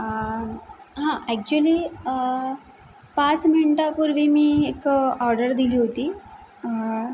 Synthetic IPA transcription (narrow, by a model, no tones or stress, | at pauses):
ɦãʔɛk̚t͡ɕuəli | pat͡smiɳʈapuɾʋimiekɔɾɖəɾd̪iliɦot̪i